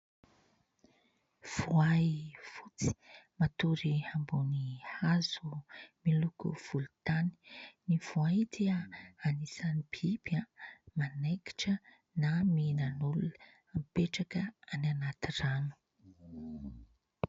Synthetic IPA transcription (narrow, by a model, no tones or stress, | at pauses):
v̥uajfut͡si̥mat̪uɾihambunihazumilukṵv̥ulut̪ani̥nivuad̪eəanisanibibamanajki̥ʈ͡ʂə | naminanulul | ampeʈ͡ʂakəananat̪iranu̥